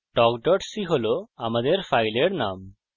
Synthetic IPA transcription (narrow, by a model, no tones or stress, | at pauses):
ɖɔkɖɔʈsiɦoloamad̪eɾpʰajleɽnam